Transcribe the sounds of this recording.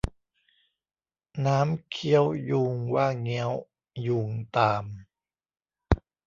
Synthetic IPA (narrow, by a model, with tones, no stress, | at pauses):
naː˦˥mkʰi˦˥əwjuː˧ŋwaː˥˩ŋːi˧˦˥əw | juː˧˩ŋt̪aː˧m